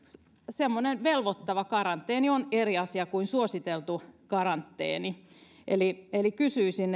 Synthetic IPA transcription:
semːonenʋelʋot̪ːɑʋɑkɑrɑnt̪ːˑeːnioneriɑsiɑkuinsuosit̪elt̪ukɑrɑnt̪ːḛːni | ʔelielikysyːsinː

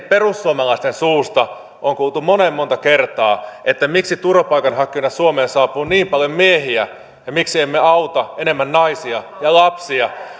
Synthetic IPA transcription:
perusːuomɑlɑist̪ensuːst̪ɑ | ʔoŋkuːlˠt̪umonemːont̪ɑkert̪ɑːʔet̪ːæmiksit̪urɑpɑikɑnhɑkːionɑsuomeːnsɑːpuːniːmpɑljommieɦiæ | jɑmiksiemːeɑut̪ɑenemːænnɑisiɑ | jɑlɑpsiɑ

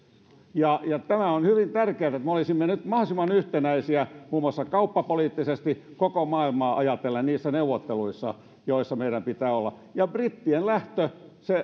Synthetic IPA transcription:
jɑjɑt̪æmæonhyʋint̪ærkeæt̪et̪meolisimːenyt̪mɑhsimɑnyht̪enæisiæmuːmɑsːɑkɑupːɑpoliːt̪ːisest̪ikokomɑːilmɑːʔɑjɑt̪elːɑnniːsːæneuʋːˑot̪ːeluisːɑ̰ | joisːɑmeiɾæmpit̪æːolːɑ | jɑbrit̪ːienlæht̪øse

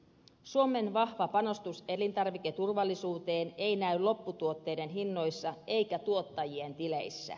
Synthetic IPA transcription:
suome̞nʋɑhʋɑpɑno̞st̪use̞lint̪ɑrʋik̟e̞t̪urʋɑlːisuːt̪e̞ːne̞inæyllo̞pːut̪uot̪ːe̞jde̞nɦinːo̞jsːɑʔe̞jkæt̪uo̞t̪ːɑjie̞nt̪ilejsːæ̰

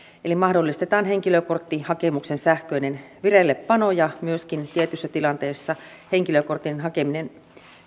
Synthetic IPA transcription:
elimɑhdolːist̪et̪ɑːnheŋkiløkort̪ːihɑkemuksensæhkøinenʋirelːepːɑnojɑmyøskint̪iet̪ysːæt̪ilɑnt̪eːsːɑ | heŋkiløkort̪ːˑinɦɑkeminen

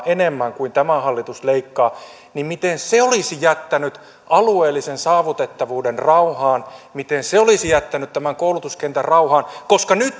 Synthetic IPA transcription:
ʔenemːæŋkuint̪æmæhɑlːit̪usleikːɑː | nimmit̪enseolisijæt̪ːænyt̪ | ɑlueːlːisensɑːʋut̪et̪ːɑʋuːdenrɑuhɑːnmit̪enseolisijæt̪ːænyt̪t̪æmæŋkoulut̪uskent̪ærrɑuhɑːnkoskɑnyt̪

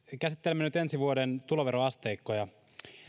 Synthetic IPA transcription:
kæsit̪ːelemːenyt̪ensiʋuodent̪uloʋeɾoɑst̪eikːojɑ

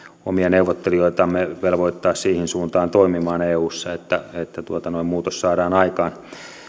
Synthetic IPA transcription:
o̰miɑneuʋot̪ːelioit̪ɑmːeʋelʋoit̪ːɑːssiːhinsuːnt̪ɑːnt̪oimimɑːneːuːsːɑet̪ːæet̪ːæt̪uot̪ɑnoimmuːt̪ossɑːɾɑːnɑikɑːn

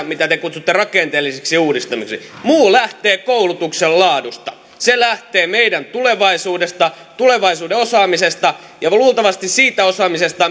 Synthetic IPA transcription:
mit̪æt̪ekut̪sut̪ːerɑkent̪eːlːiseksiuːdist̪ɑmiksḭmuːlæht̪eːkoulut̪uksellɑːdust̪ɑ | selæht̪eːmeidænt̪uleʋɑisuːdest̪ɑ | t̪uleʋɑisuːdeosɑːmisest̪ɑ | jɑluːlt̪ɑʋɑst̪issiːt̪æosɑːmisest̪ɑ

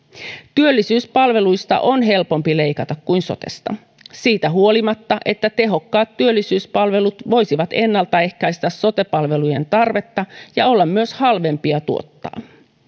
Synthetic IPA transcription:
t̪yølːisyːspɑlʋe̞lujst̪ɑ̰ʔonɦe̞lpo̞mpile̞ikɑt̪ɑkkujnso̞̰t̪e̞̰st̪ɑ̰ | siːt̪æɦuo̞limɑt̪ːɑʔe̞t̪ːæt̪e̞ɦo̞kːɑːt̪t̪yølːisyːspɑlʋe̞lut̪ʋo̞jsiʋɑt̪e̞nːɑlt̪ɑe̞hkæjst̪æsso̞t̪e̞pɑlʋe̞luje̞̰nt̪ɑrʋe̞t̪ːɑjɑo̞lːɑmmyøshɑlʋe̞mpiɑt̪uo̰t̪ːɑ̰ː

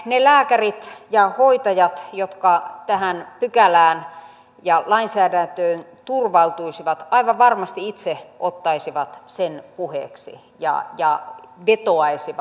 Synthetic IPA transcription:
nelæːkærit̪jɑhoit̪ɑjɑt̪jot̪kɑt̪æhænpykælæːn | jɑlɑinsæːdænt̪øːn | t̪urʋɑlt̪uisiʋɑt̪ɑiʋɑʋɑrmɑst̪iit̪seʔot̪ːɑisiʋɑt̪senpuhḛːksḭ | jɑ̰jɑ̰ʋet̪oɑisiʋɑ

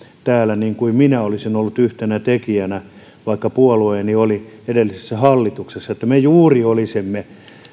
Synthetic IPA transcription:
t̪æːlæniːŋkuiminæolisinolːut̪yht̪enæt̪ekiænæ | ʋɑikːɑpuolueːnioli | edelːisesːæhɑlːit̪uksesːɑet̪ːæmejuːriolisemːe

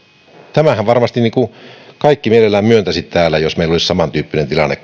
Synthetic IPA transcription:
t̪æmæhæʋʋɑrmɑst̪inniːkukɑikːimielelːæːmmyønt̪æsit̪t̪æːlːˑæjosmeilːolissɑmɑnt̪yːpːinent̪ilɑ̰nːḛk

